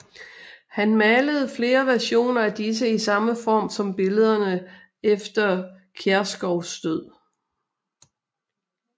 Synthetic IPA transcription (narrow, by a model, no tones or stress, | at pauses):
hænmæləð̞̩ˠfle̝ːɐʋæɐɕo̝̰ːnɐæd̥is̬əisɑ̈məfɒ̰ːmsɒ̽mb̥e̝ləð̞ˠɐnə | efd̥ɐ | kʰæɐsɡ̥ɒʊsd̥øð̞̰ˠ